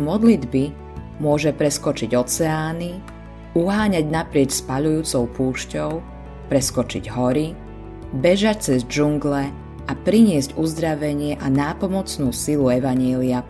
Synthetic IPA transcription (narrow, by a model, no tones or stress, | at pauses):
mɔd̪lid̪bi | mʊɔʒɛpɾɛskɔt͡ʃiɟɔt͡sɛaːni | uɦaːɲaɟnapɾɪɛcspaʎujuːt͡sɔʊpuːʃcɔʊ | pɾɛskɔt͡ʃḭɟɦɔɾi | bɛʒac̚t͡sɛzd͡ʒuŋɡlɛ | apɾiɲɪɛzɟuzd̪ɾaʋɛɲɪɛʔanaːpɔmɔt͡snuːsiluɛʋaɲɪɛlia